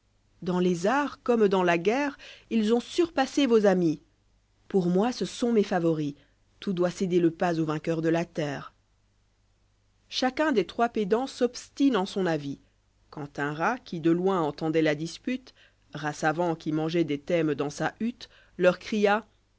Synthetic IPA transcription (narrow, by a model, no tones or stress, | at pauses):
d̪ɑ̃lezaʁkɔmd̪ɑ̃laɡʲɛːʁilzɔ̃syʁpasevozami | puʁmwasəsɔ̃mefavɔʁi | t̪ud̪wased̪eləpazovɛ̃kʲœʁd̪əlat̪ɛːʁ | ʃakʲɛ̃d̪et̪χwaped̪ɑ̃sɔpst̪inɑ̃sɔ̃navi | kɑ̃t̪ɛ̃ʁakʲid̪əlwɛ̃ɑ̃t̪ɑ̃d̪ɛlad̪ispyt̪ | ʁasavɑ̃kʲimɑ̃ʒɛd̪et̪ɛmd̪ɑ̃saʔyt̪ | lœʁkχija